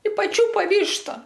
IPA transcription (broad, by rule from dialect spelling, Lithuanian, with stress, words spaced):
ɪ pɐˈt͡ʃʲuːpɐ ˈʋʲiːʃtɐ